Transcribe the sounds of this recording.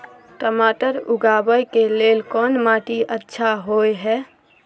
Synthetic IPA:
ʈəmaʈəɾʊɡabəjkelelkɔnmaʈiʔətːʃʰaɦoeɦɛ

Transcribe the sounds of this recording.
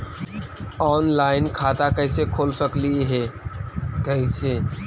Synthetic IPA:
ɔːnlaːɪnkʰaːt̪akɐɪsekʰoːlsəkliɦɛ | kəɪseː

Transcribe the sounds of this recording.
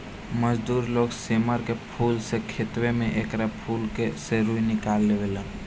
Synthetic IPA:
məd͡ʒd̪uːɾloːɡseːməɾkepʰuːlsekʰeːt̪wemẽʔeːkɾapʰuːlkeseɾuinɪkaːlːeʋelə

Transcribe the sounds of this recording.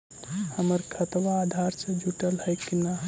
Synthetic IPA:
həməɾkʰət̪waːd̪ʱaɾsed͡ʒʱuʈəlɦəjkina

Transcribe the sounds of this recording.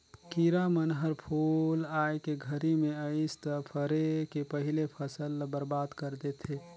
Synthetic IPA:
kiɾamənɦəɾpʰoːlajkeɡʱəɾimẽəɪst̪əpʰəɾekepəɦilepʰəsəlbəɾbaːd̪kəɾd̪et̪ʰeː

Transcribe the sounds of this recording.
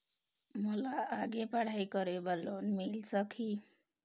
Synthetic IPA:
mʌlaːɡepaɽ̤ajkʌɾebalonmilsʌkʰi

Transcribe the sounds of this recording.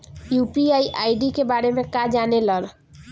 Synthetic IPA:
jupiaiʔajɖikebaɾemekad͡ʒaneləl

